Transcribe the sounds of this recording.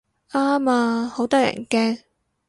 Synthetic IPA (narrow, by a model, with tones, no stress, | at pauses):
ʔaː˥maː˧ho˨˥wt̪ɔː˥jɐ̰˨˩nkɛː˥ŋ